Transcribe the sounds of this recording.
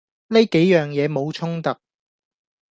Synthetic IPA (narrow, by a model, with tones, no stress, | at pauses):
ne˥jke˨˥jjœː˨˩ŋjɛː˨˧mo˨˧wt͡ʃʰʊ˥ŋt̪ɐ˨k̚